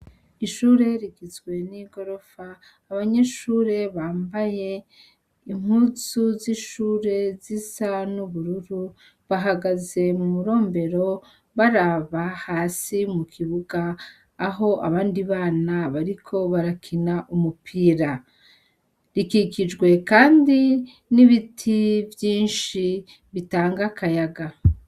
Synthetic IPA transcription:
iʃuːɾe̞ɾiɡizwe̞niɡo̞ɾo̞faː | βaɲe̞ʃuːɾe̞βaːmbaje̞ | im̥hut͡suziʃuːɾe̞zisanuβuɾuɾu | βaɦaɡaze̞mumuɾo̞ːmbe̞ɾo̞ | βaɾaβahaːsimukʰiβuɡaː | ɦo̞ʔa̰βaːndiβaːnaβaɾikʰo̞βaɾakʰinaʔumupʰiːɾa | ɾikikid͡ʒɡwe̞kaːndi | niβitʰivjiːnʃi | βitaːŋɡakʰajaɡa

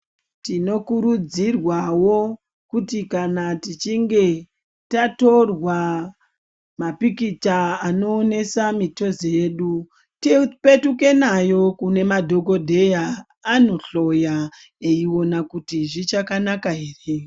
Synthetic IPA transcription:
tino̞kuɾud͡zirwawo̞ | kutikanatit͡ʃiŋɡe̞ | tato̞rwa | mapikit͡ʃaːno̞ːne̞samito̞zeːɗu | tipe̞tuke̞najo̞kune̞madʱo̞ɡo̞dʱe̞jaː | no̞ɬo̞ja | eiwo̞nakutiʐit͡ʃakanakaɦeːre

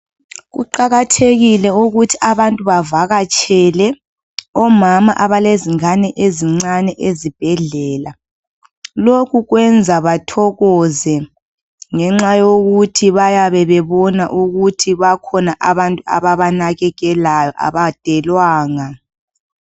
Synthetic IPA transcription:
ɣṵǃaɣatʰeɣilɛuɣutʰi̥aβantʼuβavaɣat͡ʃʼɛlɛ | ɔmamaʔaβaleziŋanɛʔeziŋ͡ǀanɛʔezib̥ʱɛɮɛːla | lokʰuɣwɛnd͡zʱaβatʰɔɣɔzɛ | ŋɛŋ͡ǁajoɣutʰiβajaβɛβɛβɔna̰ʔuɣutʰiβakʰɔnaʔaβantʼua̰βaβanaɣɛɣɛlajɔʔa̰βad̥ʱɛlwaːŋa

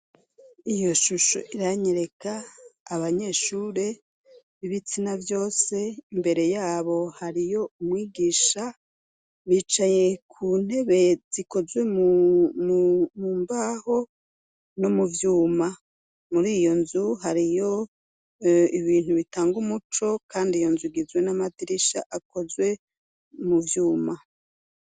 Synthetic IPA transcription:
ijo̞ʃuʃo̰ʔiɾaɲeɾe̞kaːβaɲe̞ʃuːɾe̞ | βiβit͡sinavjo̞ːse̞imbe̞ɾe̞jaːβo̞haɾijo̞umŋiːɡiːʃa | βiːt͡ʃaje̞kʰuːn̥e̞βe̞z̥iko̞zwe̞mummuːmbaho̞ | nomuvjuːma | muɾijo̞nzuɦaɾijo̞ | iβiːn̥huβitaːŋɡumut͡ʃo̞kʰaːndijo̞nzuiɡizwe̞namadiɾiʃa̰ʔako̞zwe̞ | muvjuːma

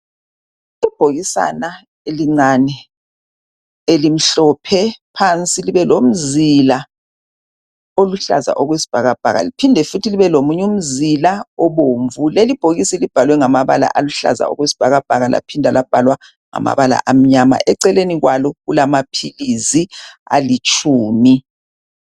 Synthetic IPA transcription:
ib̥ʱoɣisa̰na | eliŋ͡ǀanɛ | elim̩ɬɔpʰɛpʰant͡sʼiliβɛlom̩zila | oluɬa̰za̰ʔoɣwesi̥b̥ʱaɣab̥ʱa̰ɣa̰lipʰindʱɛfutʰiliβɛlomuɲum̩zilaɔβoɱvulelib̥ʱoɣisɛlib̥ʱalwɛŋamaβa̰la̰ʔaluɬa̰za̰ɔ̰ɣwesi̥b̥ʱaɣab̥ʱaɣalʔa̰pʰindʱalab̥ʱalwa | ŋa̰ma̰βala̰ʔam̩ɲama̰ʔɛǀɛleniɣwalɔɣulamapʰilizia̰lit͡ʃʼʰuːmi

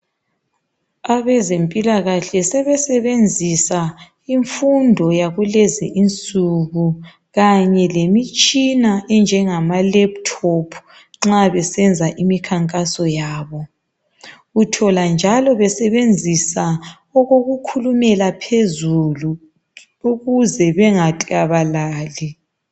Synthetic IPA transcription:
aβɛzempʼilaɣaɬɛsɛβɛsɛβend͡zʱisa | iɱfundʱɔjaɣuleziʔint͡sʼuɣu | ɣaɲɛlemit͡ʃʼinaʔɛnd͡ʒʱɛŋamalɛp̚tʰɔpʰ | ŋ͡ǁaβɛsɛnd͡zʱaʔimikʰaŋkʼasɔjaːβɔ | utʰɔland͡ʒʱalɔβɛsɛβend͡zʱisa | ɔɣoɣukʰulumɛlapʰezulu | uɣuzɛβɛŋatʼiɣaβalaːli

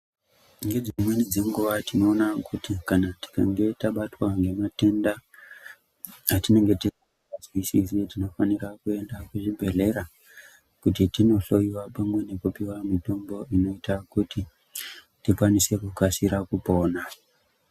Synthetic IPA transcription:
ŋɡe̞d͡zimwe̞nid͡zeŋɡuʋatino̞ːnakutikanati̥kaŋɡe̞taɓatwaŋɡe̞mate̞nda | tine̞ŋɡe̞tiri | azwisisitino̞fanirakue̞ndakuʐibʱe̞ɮe̞ɾa | kutitino̞ɬo̞jiwapamwe̞ne̞kupiwamito̞mbo̞ino̞itakuti | tikwanise̞kukasiɾakupo̞ːna

